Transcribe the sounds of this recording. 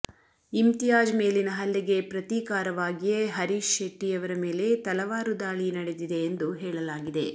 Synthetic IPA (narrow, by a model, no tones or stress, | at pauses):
imt̪ijaːd͡ʒme̞ːlinɐɦɐlːiɡe̞pɾɐt̪iːkaːɾɐʋaːɡijeɦɐɾiːʃeʈːijɐʋɐɾɐme̞ːle̞t̪ɐlɐʋaːɾud̪aːɭinɐɽe̞d̪id̪e̞ːnd̪uɦɛːɭɐlaːɡid̪e̞